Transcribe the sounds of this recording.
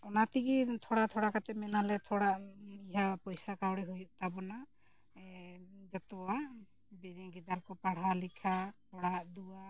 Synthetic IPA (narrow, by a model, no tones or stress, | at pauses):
ɔnat̪iɡit̪ʰɔɽat̪ʰɔɽakat̪ɛmɛnalɛt̪ʰɔɽaʔiɦapɔjsakawɽɛɦujuʔt̪abɔna | d͡ʒɔt̪ɔwaʔ | biɾɛɡid̪aɾkɔpaɽ̤alikʰat̪ʰɔɽaʔd̪uwa